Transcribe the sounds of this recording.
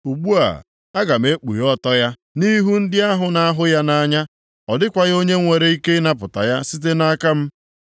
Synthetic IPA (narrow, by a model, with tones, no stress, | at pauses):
u˨ɡ͡bu˦a̰˨ | a˦ɡa˨m̩˨e˦k͡pṵ˨ɾɔ˦tɔ˦ja˦ | ni˦ɦu˦n̩˦dɪ˦a˦ɦʊ˨na˦ɦʊ˦ja˦na˦ɲa˦ | ɔ˨dɪ˦kʷa˨ɣo˦ɲe˦ŋʷe˨ɾe˦i˦ke˦na˦pʊ˨ta̰˨ja˦si˦t̬e˦na˦ka˦m̩˦